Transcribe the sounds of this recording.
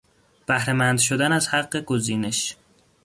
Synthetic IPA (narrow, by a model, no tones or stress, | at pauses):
b̥æhɾemænd̪ʃo̞d̪ænæzhæɢːe̞ɡoziːne̞ʃ